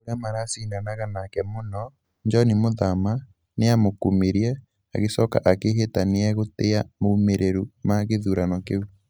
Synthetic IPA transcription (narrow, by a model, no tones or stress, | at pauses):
oɾamaɾasiːnanaɣanakɛmonɔ | nd͡ʒɔnimoðama | neamokumeɾjɛ | aɣesɔka̰ʔakeɦetaneɛɣoteamomeɾʔeɾumaɣeðuɾanɔkeu